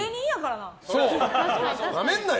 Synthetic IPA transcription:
ɯɲ̟iijakaɾanãsoː | d̪amẽnːa

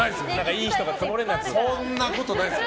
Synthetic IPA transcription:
aiesɨenãŋkaiːçi̥t̪oɡat͡ssɨmoɾe̞natsõnːako̞t̪o̞nai

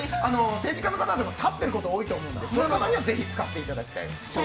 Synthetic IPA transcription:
ano̞se̞ːʑikanːokat̪ad̪oɡat̪ʰat̪ːe̞ɾɯ̟ko̞t̪o̞oːit̪o̞ːmo̞ɯ̟̃nsonokat̪aɲ̟iβaze̞çit͡sɨ̥kat̪ːe̞it̪ad̪akʲi̥t̪a̰ḭ | o

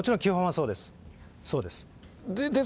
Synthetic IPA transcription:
ot͡ɕiɾõŋkʲɨːɦõaso̞ːd̪e̞sɨ̥ | soːd̪e̞sɨ̥ | d̪e

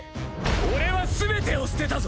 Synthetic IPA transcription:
oɾe̞βasɨbe̞t̪e̞osɨ̥t̪e̞t̪azo

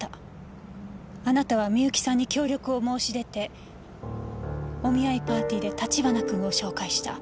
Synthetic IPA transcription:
anat̪aβ̞amʲiɯ̟kʲi̥sãɲ̟ːikʲo̞ːɾʲo̞kɯ̟o̞mo̞ːɕiɾe̞t̪e̞ | o̞mʲiaipaːt̪ʲiːd̪e̞t̪at͡ɕibanakɯ̟̃ɰ̃o̞ɕo̞ːkaiɕi̥t̪a̰

